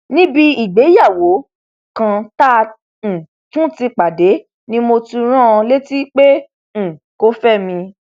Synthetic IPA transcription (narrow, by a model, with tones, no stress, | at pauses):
nĩ˦bi˧i˨ɡ͡be˨˦ja˦˨wo˨˦ | kã˧tã˦˨ | tũ˦ti˧k͡pa˨de˨˦ | nĩ˧˦mo˧ti˧ɾ̃ã˦˧le˦ti˦k͡pẽ˦˨ | ko˦fɛ˦˨mĩ˧